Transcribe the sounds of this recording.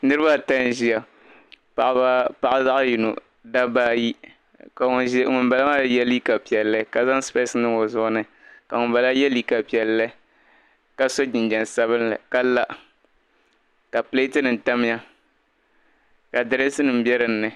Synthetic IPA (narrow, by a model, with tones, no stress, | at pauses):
nɨ˦ɾɨ˦ba˦˨ta˦n˦ʒi˦a˨ | pa˨ʔa˦pa˨ʔa˦za˦ʔju˨no̰˨ | da˦baː˦ji˦ | ka˨˦ŋʊ˨n˦ba˨la˦a˦˨jɛ˦li˦ka˨pi˨ɛ˨lːɨ˦ka˨za˦ŋ˦spe˦sɨ˦nɨ˦o˨zʊ˦ʔʊ˦nɨ˦ | ka˨ŋʊ˨ba˨la˦jɛ˦li˦ka˨pi˨ɛ˨lːɨ˦ | ka˦so˦d͡ʒɪ˨nd͡ʒɛ˨n˨sa˦βɨ˦nla̰˨ka˦la˦ʔ | ka˨ple˦tɨ˦nɨ˨n̩˨ta˦m˦ja˦ | ka˨dɨ˨ɾɛ˦sɨ˦nɨ˨m˦bjɛ˦ɾɨ˦nː˦ɨ˨